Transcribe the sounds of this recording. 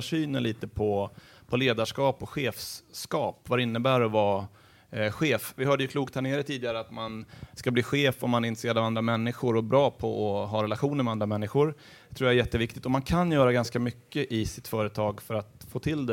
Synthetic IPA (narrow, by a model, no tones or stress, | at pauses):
ʂyːnənliːt̪əpʰɔ | pʰɔleːd̪aʂkɑːpɔɧeːfskɑːpvaɾɛɪnːəbæːɾɔvɑ | ɧeːfvɪhœːɖəjəkʰluːkt̪hæɳeːɾət̪ʰiːd̪ɪɡaɾəat̪manskabliːɧeːfɔmːanæɾɪnt̪ɾəseːɾad̪avand̪ɾamɛnːɪɧʊɾɔbɾɑːpʰɔɔɦɑɾɛlaɧuːnəɾmɛand̪ɾamɛnːɪɧʊɾ | t̪ʰɾuːjaæɾjɛt̪ːəvɪk̚t̪ɪk̚t̪ɔmankʰanjœːɾaɡanskamʏkːəʔɪsɪt̪fœːɾət̪ʰɑːɡfœɾat̪foːt̪ʰɪld̪ɛ